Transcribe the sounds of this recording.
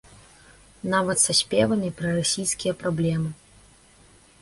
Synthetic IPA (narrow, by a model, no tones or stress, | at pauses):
navɐt̪sasʲpʲɛvɐnɨpɾɐrasʲijskʲijɐpɾablʲɛmɨ